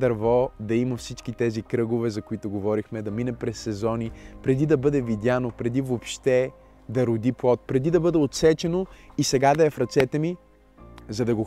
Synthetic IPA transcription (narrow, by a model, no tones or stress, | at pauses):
d̪ɐɾvɔd̪ɐimɐfsit͡ʃkit̪ɛzikɾɤɡovɛzɐkoit̪oɡovɔɾixmɛd̪ɐminɛpɾɛsːɛzɔnipɾɛd̪id̪ɐbɤd̪ɛvid̪ʲjanopɾɛd̪ivopʃt̪ɛ | d̪ɐɾʊd̪iplˠɔt̪̚pɾɛd̪id̪ɐbɤd̪ɛot̪sɛt͡ʃɛnoisɛɡad̪ɐɛfɾɐt̪sɛt̪ɛmi | zɐd̪ɐɡo